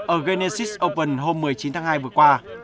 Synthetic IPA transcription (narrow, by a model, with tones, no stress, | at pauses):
ʔəː˧˩ɣe˧ne˧si˦˥sʔo˧wpə˧˩nɦo˧mːɨ˨˩əjt͡ɕi˨˦nt̪ʰaː˨˦ŋhaː˧jvɨ˨˩əkwaː˧